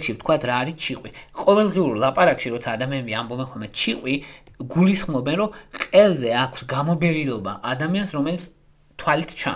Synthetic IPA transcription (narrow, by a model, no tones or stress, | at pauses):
kʃift̪ʰkʰwat̪ʰɾaːɾit͡ʃʰiqʼwiqʼɔvɛlˠʁɛuɾlˠapʼaɾakʼʃiɾɔt̪sʰaːd̪amianɛbiambɔbɛnχɔlˠmɛt͡ʃʰiqʼwiɡulisχmɔbɛnɾɔqʼɛlˠzɛakʰsɡamɔbɛɾilɔba̰ʔad̪amiansɾɔmɛlit̪s | t̪ʰwalit̪ʰt͡ʃʰa̰